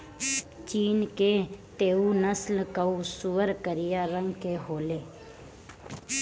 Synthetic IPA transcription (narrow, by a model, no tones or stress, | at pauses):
t͡ʃiːnkeːt̪eːunəslkəusuʋəɾkəɾɪjaːɾə̃ŋɡkeɦoːleː